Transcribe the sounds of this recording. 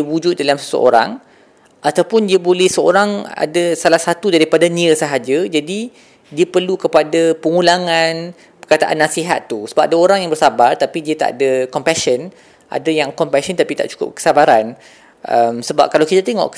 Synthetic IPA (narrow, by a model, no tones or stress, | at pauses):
wud͡ʒʊt̪̚dalamsə̥sə̰o̰ɾa̰ŋ | ʔat̪awpʊndiəbolɛhsəo̰ɾaŋa̰dasalahsat̪udaɾipadanĩəsəɦad͡ʒad͡ʒadi | diəpərlukəpadapəŋũlaŋãn | pərkat̪aʔa̰nːasiɦa̰t̪ːusəbap̚adaoɾaŋjaŋbərsabart̪apidiət̪a̰ʔa̰dakɔmpaʃən | ʔa̰dajaŋkɔmpaʃənt̪apit̪a̰ʔt͡ʃu̥kʊ̰p̚kə̥sabaɾan | ʔəmsəba̰p̚kalawkit̪at̪eŋɔ̰ʔ